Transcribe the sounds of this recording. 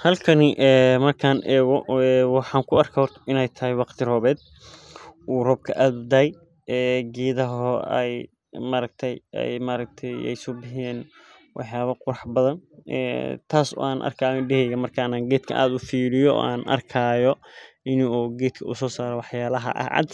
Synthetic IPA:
hɐlkʰɐnɪʔɛːmɐrkʰaːnʔɛːɣɔɛwɑħɑːŋkʰʊɐrkʰɐhɔrt̪ʰɐ̥ɪnɛjt̪ʰɐɦɪwɑqt̪ʰɪrɔːβɛːd̪ | ʔuːrɔb̚kʰɐʔaːd̪ʊd̪ɐɛj | ɛːɡɛːðɐɦɔɛ̰j | maːɾɐɡ̚t̪ʰɛjɛ̰jmaːɾɐk̚t̪ʰɛjɛ̰jsʊbɪɦɛːn | wʔɑħjaːβɐqʊɾɑħbɐðɐnɛ̰ːt̪ʰaːsɔ̰ːaːnʔɐ̰rkʰaːjɔɖɛhɛjɐmɐrkʰaːnaːɡɛːd̪kʰɐ̰ʔa̰ːd̪ʊfiːlɪjɔʔːa̰ːnʔɐ̰rkʰaːjɔ | ɪnɔːɡɛːd̪kʰɐʊ̰sɔːsaːɾɛwɑħjaːlɐɦɐ̰ʔɐ̰ʕɑ̰d̪

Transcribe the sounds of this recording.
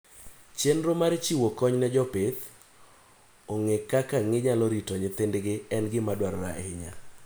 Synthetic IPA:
t͡ʃenɾomaɾt͡ʃiwokɔɲnɛd͡ʒɔpɪt̪ | oŋekakaŋɪɲalɔɾitɔɲɪt̪ɪndɡɪɛnɡɪmadwaɾɔɾa̰ʔɪɲa̰

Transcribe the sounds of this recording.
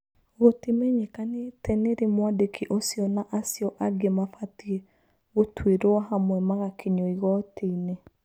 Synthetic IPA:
ɣotimɛɲekanetʰɛneɾemwadekʰiʔosjɔnaʔasjɔʔaɡemafatie | ɣotweɾoahamwɛmaɣakʰeɲɔiɣɔteine

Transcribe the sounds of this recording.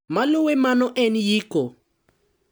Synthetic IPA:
malʊwɛmanɔʔɛnjiːkɔ

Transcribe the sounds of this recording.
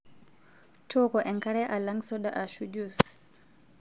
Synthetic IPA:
tʰɔkɔʔɛŋkaɾɛʔalaŋsɔɗaʔaʃud͡ʒus

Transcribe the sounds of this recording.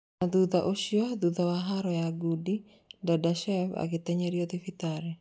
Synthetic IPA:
naðuðaʔoʃjɔd̪uðawaɦaɾɔjaɡudi | dadaʃɛfa̰kɪt̪ɛɲɛɾjɔt̪ifit̪aɾɛ

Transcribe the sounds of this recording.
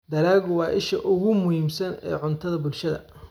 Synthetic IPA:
d̪ɐɾaːɣʊwɑːʔɪʃɐʔʊɣʊmʊhiːmsɐnɛ̰ːʕʊnt̪ʰɐðɐbʊlʃɐðɐ̰

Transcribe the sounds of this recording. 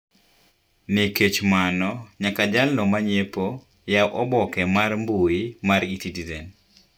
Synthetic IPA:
niket͡ʃmanɔɲakad͡ʒalnɔmaɲepo | jaʔɔbɔkɛmarmbuimaɾitidizen

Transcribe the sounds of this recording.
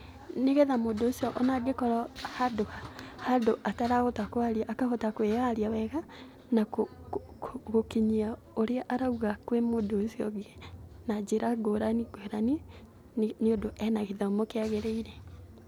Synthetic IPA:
neɣeðamodoːsiɔʔɔnaɡekɔɾɔhadohahadoʔataɾaɣotakoaɾiaʔːkaɣotakweaɾiawɛɣa | nako | oɣokeɲia | oɾeaʔaɾauɣakwemodosiɔɡenad͡ʑeɾaɡoɾaniɡweɾani | nneodoʔɛnaɣeðaomokeaɣeɾeiɾe

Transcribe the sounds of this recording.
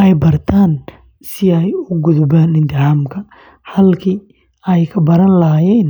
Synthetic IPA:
ʔɛjbɐrt̪ʰaːn | sɪɛjʊɡʊðʊbaːnɪnt̪ɪhaːmkʰɐ | hɐlkʰiː | ɛjkʰɐbɐɾɐnlɐjɛːn

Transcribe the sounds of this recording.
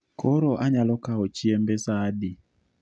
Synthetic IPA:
kʰoɾoʔaɲalɔkaot͡ʃiɛmbesadi

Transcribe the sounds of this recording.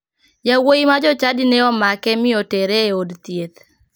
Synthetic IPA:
jawoimad͡ʒɔt͡ʃadinɛɔmakɛmɪotɛɾeodt̪jet̪

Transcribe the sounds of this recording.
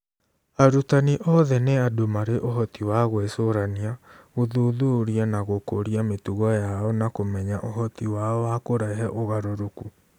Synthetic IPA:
aɾutaniʔɔðɛneadomaɾeʔoɦɔtiwaɣwɛsoɾaniaoðoðoɾianaɣokoɾiametuɣɔjaɔnakomɛɲaʔoɦɔtiwaɔwakoɾaɦɛʔoɣaɾoɾoku

